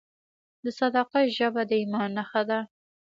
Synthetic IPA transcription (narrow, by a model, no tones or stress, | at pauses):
d̪əsad̪ɑqaʒabad̪əimɑnːaxad̪a